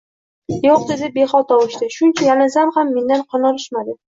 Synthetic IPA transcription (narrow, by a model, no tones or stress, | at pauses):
joq̚d̪e̞d̪ɪbe̞χɒlˠt̪ʰɒwɪʃt̪ɪʃʊnt͡ʃʰajalɪnsamhamːe̞nd̪anqʰɒnɒlɪʃmad̪ɪ